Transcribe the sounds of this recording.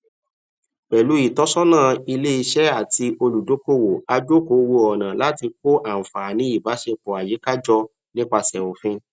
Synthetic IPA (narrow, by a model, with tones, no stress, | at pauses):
k͡pɛ˨lu˨˦i˦˨tɔ˦sɔ˦nãː˦˨i˧le˦i˧ʃɛ˦a˦˨ti˧o˧lu˨do˨˦ko˦˨wo˨a˧d͡ʒo˦ko˨˦˨wo˧ɔ˨nã˨la˨˦ti˧k̚o˦ʔa˨m̩˨fa˨nĩ˨˦i˦˨ba˨˦ʃe˧k͡pɔ˨a˨je˨˦ka˦d͡ʒɔ˧ | nĩ˦k͡pa˧sɛ˨o˨fĩ˧